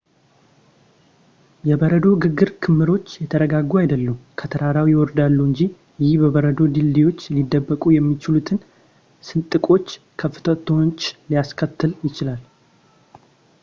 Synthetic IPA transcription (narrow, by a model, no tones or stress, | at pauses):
jɛbəɾəd̪o̞ɡɨɡːɨɾkʰɨmːɨɾo̞t͡ʃːjɛt̪ʰəɾəɡaɡːuajd̪əlːəmkʰət̪ʰəɾaɾawijwɔɾd̪alːuɨɲd͡ʒi | jɪhbəβəɾəd̪o̞d̪ɨlːiwo̞t͡ʃːlid̪ːəbːəkʼujɛmːit͡ʃɪlut̪ʰɨn | sɨnt̪ʼɨkʼo̞t͡ʃː | kʰəfːɨ̥t̪ʰət̪ʰo̞t͡ʃːlijaskʰət̪ʰːɨljɪt͡ʃɪlal